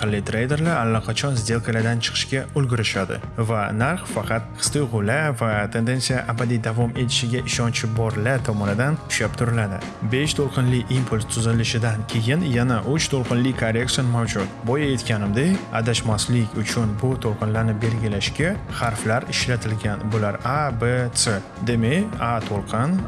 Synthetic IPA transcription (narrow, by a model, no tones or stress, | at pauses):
qʰɨlːɪjt̪ʰɾejd̪e̞ɾlaɾalːaqʰɑt͡ʃʰɒnzd̪e̞lˠkʲʰalad̪ant͡ʃʰɨ̥qʰɨ̥ʃkʲaʊlɡʲɪɾɪʃad̪ɪ̰ | vanaɾχfɑqʰɑt̪qʰɨ̥st̪ɨjʁʊlavat̪ʰe̞nd̪e̞nsijaʔabad̪id̪avɒme̞t̪ʰɪ̥ʃɪɡʲaʔɪʃɒnt͡ʃʰɪbɒɾlat̪ʰɒmɒnɪd̪anʰʊ̥ʃap̚t̪ʰʊɾɪlad̪ɪ̰ | be̞ʃt̪ʰolˠqʰɨnlɪimpʰʊlʲst̪ʰʊzɪlɪʃɪd̪ankʲʰe̞jɪnjanaʔʊt͡ʃt̪ʰolˠqʰɨnlɪkʰaɾekt̪sonmawd͡ʒʊt̪bɒjae̞t̪kʲanɪmd̪eja̰d̪aʃmaslɪkʲʊt͡ʃʰʊnbʊt̪ʰolˠqʰɨnlaɾnɪbe̞lɡʲɪlaʃkʲaχɑɾflaɾɪʃlat̪ʰɪlɡʲanbʊlaɾabese | d̪emeat̪ʰolˠqʰɨn